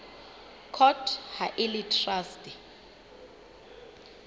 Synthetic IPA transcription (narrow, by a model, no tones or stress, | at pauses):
kʰɔtʰhaʔɪlitʰrastʼi